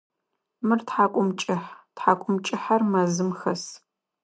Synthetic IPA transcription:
mɨrtħaːkʷʼʊmt͡ʃʼɪħtħaːkʷʼʊmt͡ʃʼɪħɐrmɐzɨmxɐs

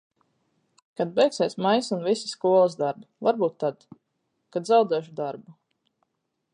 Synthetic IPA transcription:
kad̪̚bɛjksɛːsʲmajsunvisi̥skuɔlˠəzd̪aɾbuvaɾbuːt̪ːad̪ | kad̪zawd̪ɛːʃ̬ud̪aɾbu

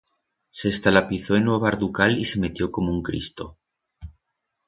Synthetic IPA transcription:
se̞ːst̪alapiθo̞enweβaɾðukalise̞me̞t̪jo̞ko̞mouŋkɾḭst̪o̞

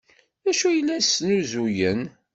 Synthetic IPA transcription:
æʃujəlːæsnuzujən

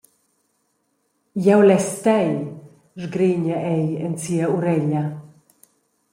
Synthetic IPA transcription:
jɛwlɛst̪ɛj | ʐɡɾiɲɛʔɛjɛnt͡siauɾɛʎa

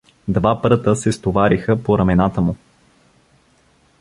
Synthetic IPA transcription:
d̪vapɾɤt̪əsɛst̪ovaɾixəpoɾɐmɛnat̪əmʊ

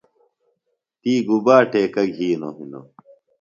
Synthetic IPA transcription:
t̪iːɡubaːʈʰeːkɐɡɦiːnoɦino̰

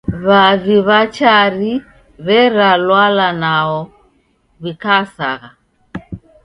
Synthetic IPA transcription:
βaviβat͡ʃaɾi | βɛɾalwalanaɔ | βikaːsa̰ɣa

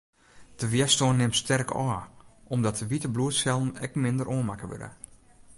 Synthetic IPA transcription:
d̥əʋjɛstoənːɪmstʰɛrkɔːɔmdɔtəʋitəbluətsɛlˠnɛ̰kmɪndərʔoənmakəʋø̰də̰

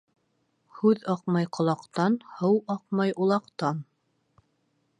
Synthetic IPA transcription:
hʉðɑqmɑjqʰŏlˠɑqt̪ɑnhɤwɑq̚mɑjʔulˠɑqt̪ɑn

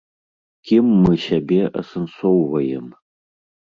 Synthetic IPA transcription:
kʲʰimːɨɕabʲeʔɐ̰sɨnsʷowvɐjɛ̰m

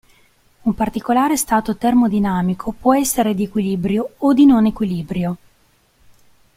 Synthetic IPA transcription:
umpart̪ikolaːɾest̪aːt̪ot̪ermod̪inaːmikʰopwɔɛsːeɾed̪iekwilibɾjood̪inonekwiliːbɾjo

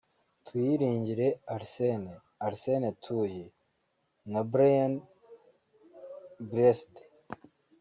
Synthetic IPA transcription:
twiɾiːɲɟiɾe̞aɾsene | aɾsenetʰuje | nabɾajan | bɾeste̥

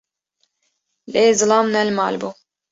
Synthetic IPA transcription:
leːzɨlamnælʲma̰ːlʲbu

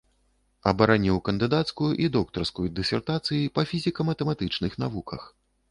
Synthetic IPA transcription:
ɐbɐɾanʲiwkɐnd̪ɨd̪at̪skujuʔid̪ɔk̚t̪ɐrskujud̪ɨsʲɛrt̪at̪sɨjipɐfʲizʲikɐmɐt̪ɛmat̪ɨt͡ʂnɨxn̪avukɐx

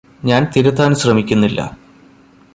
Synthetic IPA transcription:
ɲaːnt̪iɾɐt̪ːaːnɨɕrɐmikʲːunːilːɐ̰

